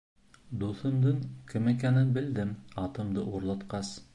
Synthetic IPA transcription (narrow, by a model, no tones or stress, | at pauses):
d̪uθɤ̆md̪ɤɴkɘ̆mɘ̆kænɘnbɘ̆ld̪ɘmɑt̪ɤ̆md̪ɤʔuɾlˠɑt̪qɑs